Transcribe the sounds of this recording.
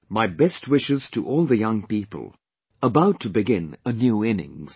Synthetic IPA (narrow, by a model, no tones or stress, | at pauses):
maɪbɛst̚wɪʃɨz̥tʰə̰ʔɔlˠðɨjʌ̃ŋpipə̰l̩ˠ | əbaʊtʰɨbɨɡɪ̃nənjʉɪ̃nɪ̰̃ŋz̥